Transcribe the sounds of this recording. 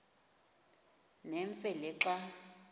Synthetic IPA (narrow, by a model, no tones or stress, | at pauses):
nɛɱfɛlɪǁa